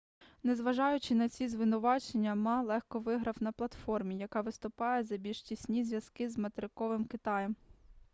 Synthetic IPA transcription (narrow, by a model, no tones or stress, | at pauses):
nezʋɐʒɑjʊt͡ʃɪnɐt͡sʲizʋɪnʊʋɑt͡ʃenʲːɐmɑlˠɛxkɔʋɪɦɾɐwnɐplˠɐt̪fɔrmʲijɐkɑʋɪst̪ʊpɑjɛzɐbʲilʲʃtʲisʲnʲizʲʋjɐskɪzmɐt̪eɾɪkɔʋɪmkɪt̪ɑjɛm